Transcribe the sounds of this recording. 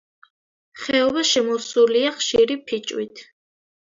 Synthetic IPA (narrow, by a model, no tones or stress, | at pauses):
χɛɔbaʃɛmɔsuliaχʃiɾipʰit͡ʃʼwḭt̪ʰ